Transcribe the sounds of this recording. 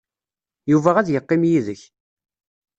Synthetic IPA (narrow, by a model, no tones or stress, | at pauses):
juvæʁæðjəqːɪmjiðəç